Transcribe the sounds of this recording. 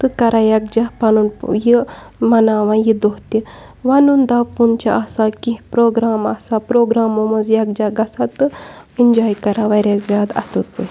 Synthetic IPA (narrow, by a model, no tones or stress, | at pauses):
t̪ɨkɐɾajɐk̚d͡ʒapɐnunji | mɐnaːʋãjid̪oɦt̪i | ʋɐnund̪apunt͡ʃaʔasakipɾoːɡɾaːmɐsapɾoːɡɾaːmomɐzjɐk̚d͡ʒaɡɐsat̪ɨ | ind͡ʒaːjkɐɾaʋɐɾʲjazjaːd̪ɐ̰sɨpṵ